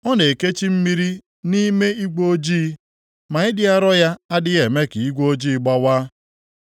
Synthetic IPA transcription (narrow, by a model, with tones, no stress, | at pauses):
ɔ˦ne˨ke˦t͡ʃi˦m̩˦mi˦ɾi˦ | ni˦me˦i˦ɡo˦d͡ʒiː˦ | ma˨ɪ˦dɪ˦a˦ɾɔ˦ja˦a˦dɪ˦ɣe˨me˦ki˨i˦ɡʷoo˦d͡ʒiː˦ɡ͡ba˦waː˦